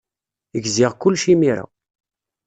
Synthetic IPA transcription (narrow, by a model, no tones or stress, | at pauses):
əɡziʁkʊlːʃimiɾa̰